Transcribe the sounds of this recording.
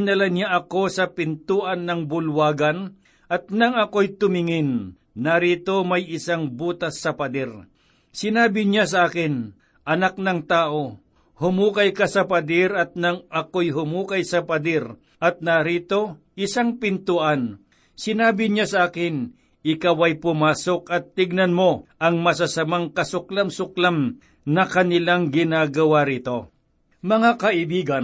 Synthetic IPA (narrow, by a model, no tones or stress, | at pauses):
nɐlaɲaʔɐko̞sɐpɪnt̪uʔɐnːɐŋbʊlwaːɡɐn | ʔɐt̪̚nɐŋɐkojt̪ʊmɪŋɪnː | aɾit̪o̞mɐjɪsaŋbuːt̪ɐsːɐpɐd̪ɛɾ | sɪnaːbɪɲasɐʔaːkɪn | ʔɐnak̚nɐŋt̪aːʔo̞ | hʊmuːkɐjkasɐpɐd̪ɛɾɐt̪̚nɐŋɐkojɦʊmuːkɐjsɐpɐd̪ɛɾ | ʔɐt̪̚naɾiːt̪o̞ | ʔɪsaŋpɪnt̪ʊʔan | sɪnaːbɪɲasɐʔaːkɪn | ʔɪkawɐjpʊmaːsokɐt̪ːɪɡ̚nɐnmo̞ʔɐŋmɐs̬asɐmaŋkɐsʊklamsʊklam | nɐkɐnɪlaŋɡɪnaːɡɐwaɾiːt̪o̞ | mɐŋakɐʔɪbiːɡɐn